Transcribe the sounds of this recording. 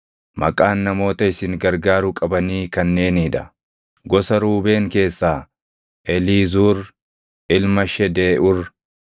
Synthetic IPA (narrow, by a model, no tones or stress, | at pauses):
mʔɐ̰kʼaːnːɐmo̞ːt̪ɐɪsɪŋɡɐɾɡaːɾʊkʼɐbɐniːkɐnːe̞ːniᶑɐ | ɡɔsɐɾuːbe̞ːŋke̞ːsːaː | ʔɛliːzuːɾ | ʔɪlmɐʃɛd̪eːʔʊɾ